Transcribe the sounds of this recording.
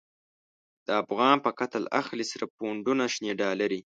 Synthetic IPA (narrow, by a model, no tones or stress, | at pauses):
d̪̥əafɣɑnpəkat̪əla̰xlisaɾapoɳɖunaʃneɖɑlaɾi